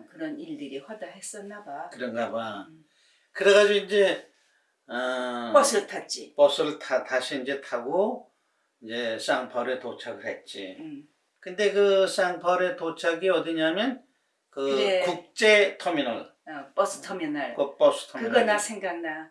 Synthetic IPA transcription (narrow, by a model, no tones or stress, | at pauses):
kɯɾʌniɭdɯɾiɸwadaɦes͈ʌnːabakɯɾʌnɡaba | kɯɾeɣad͡ʑoind͡ʑe̞ | ʌpʌsʰɯɭtʰat͡ɕ͈ip͈ʌsʰɯɭtʰataɕʰiːnd͡ʑe̞tʰaɡo | ind͡ʑe̞s͈aŋpʰʌɾetot͡ɕʰaɡɯɭhe̞t̚t͡ɕ͈i | kɯnde̞kɯs͈aŋpʰʌɾetot͡ɕʰaɡiʌdiɲamjʌn | kɯekuk̚t͡ɕ͈e̞tʰʌminʌɭap͈ʌsʰɯ̥tʰʌmjʌnaɭkop͈ʌsʰɯ̥tʰʌkɯɡʌnasʰeŋɡaŋna